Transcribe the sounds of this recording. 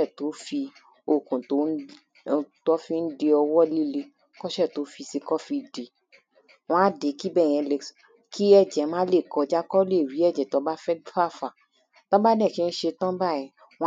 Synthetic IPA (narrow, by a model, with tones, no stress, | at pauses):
ɛ˦˨to˨˦fi˧ | o˨kũ˨to˨˦˧ | tɔ˦fi˦n̩˦de˧ɔ˧wɔ˦li˦le˧ | kɔ˦ʃɛ˦˨to˨˦fi˧si˧kɔ˦fi˧de˨ | w̃ɔ̃˦de˨˦ki˦bɛ˦˨j̃ɛ̃˧le˧s | kʰi˦ɛ˦˨d͡ʒɛ˨˦mãː˦le˦˨kɔ˧d͡ʒa˦kɔ˦le˦˨ɾi˨˦ɛ˦˨d͡ʒɛ˨tɔ˨˦ba˦fɛ˦dfa˦˨fa˨ | tɔ˦ba˦nɛ̃˦˨ki˦n̩˦ʃe˧tɔ̃˦ba˦˨jɛ̃˨ | w̃ɔ̃˦